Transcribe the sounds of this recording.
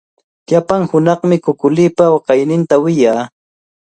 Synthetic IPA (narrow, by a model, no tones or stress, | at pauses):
ʎapaŋhʊnɑχmɪkʊkʊlɪːpawɑqɑjnɪnt̪awɪjaː